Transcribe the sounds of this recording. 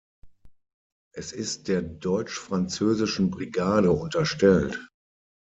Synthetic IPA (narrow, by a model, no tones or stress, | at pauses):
ʔɛsɪst̚d̥eːɐdɔʏt͡ʃfʁ̥ant͡søːzɪʃn̩bʁiɡaːdəʊntɐʃtɛlt